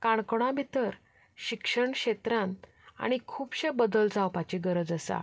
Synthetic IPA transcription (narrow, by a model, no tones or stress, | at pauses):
kaɳ̃kɽ̃ãbʱit̪əɾ | ɕikʂəɳɕet̪ɾãn | a̰ɽ̃ikʰuːpɕebəd̪əld͡zawpat͡ɕiɡəɾəd͡zəsa̰